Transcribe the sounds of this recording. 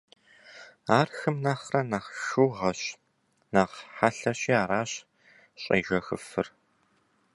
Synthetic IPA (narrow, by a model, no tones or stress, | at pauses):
aːrxɨmnaːχrɐnaːχʃuːʁɐɕ | naːʁħaɬɐɕiːaːɾaːɕ | ɕʼɐ̰ːʒɐxɨ̰fɨr